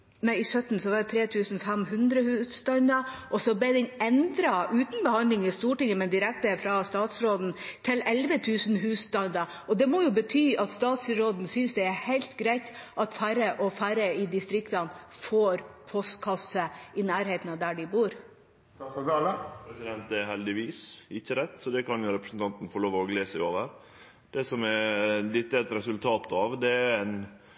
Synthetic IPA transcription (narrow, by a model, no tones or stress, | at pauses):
næɪɪsœt̪ːn̩sɔʋɑɖɛt̪ʰɾeːt̪ʰʉːsn̩fɛmɦʉnd̪ɾəhʉːst̪ɑnd̪ɑʔɔsɔb̪ɛd̪ɪnɛnd̪ɾɑʔʉːt̪n̩bəhɑnd̪lɪŋəst̪uːʈɪŋːəmɛnd̪ɪɾɛk̚t̪əfɾɑst̪ɑːt̪sɾoːd̪n̩t̪ʰɪlɛlʋət̪ʰʉːsn̩ɦʉːst̪ɑnd̪ɑ | ɔd̪ɛmɔjʊbət̪ʰyːʔɑt̪st̪ɑːt̪sɾoːd̪n̩sʏnsd̪ɛæhæɪlt̪ɡɾæɪt̪ʔɑt̪fæɾəʔɔfæɾəɪd̪ɪst̪ɾɪkt̪ɑn | foːɾpʰɔst̪kʰɑsəɪnæːɾheːt̪nɑd̪æɖɪbuːɾ | pɾɛsɪd̪ɛnt̪ɛɦɛld̪ɪʋiːsɪçːəɾɛt̪ːsɔd̪ɛkɑnjʊɾɛpɾəsn̩t̪ɑnt̪n̩fɔɭoːʋɔɡleːsæɪoːʋəɾ | d̪̥ɛsɔmɛlɪt̪ːəɛt̪ɾɛsʉlt̪ʰɑːt̪ɑʋd̪ɛæɾɛn